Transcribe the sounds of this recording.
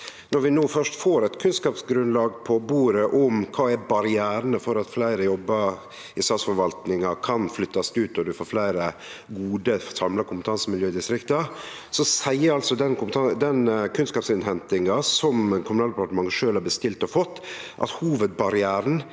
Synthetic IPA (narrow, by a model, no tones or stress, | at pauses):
nɔɾʋɪnoːfœʂʈfoːɾɛt̪kʰʉnskɑːpsɡɾʉnlɑːɡpʰɔbuːɾəʔɔmkʰɑːɛbɑɾɪæːɾənəfɔɾɑt̪flæɪɾəjɔbːə | ɪst̪ɑːt̪sfɔɾʋɑlt̪nɪŋɑkʰɑnflʏt̪ːɑst̪ʉːt̪ɔd̪ʉfoːflæɪɾəɡuːd̪əsɑmlɑkʰʊmpə̥t̪ʰɑnsəmɪljøːɪd̪ɪst̪ɾɪkt̪ə | sɔsæɪəɾɑlsɔd̪ɛnkʊpt̪ɑd̪ɛnkʰʉnskɑːpsɪnɦɛnt̪ɪŋɑsɔmkʰʊmnɑːld̪əpɑɾʈəmɑŋːəʂøːlhɑɾbəst̪ɪlt̪ɔfɔt̪ːʔɑ̰t̪huːʋət̪̚bɑɾɪæːɾən̩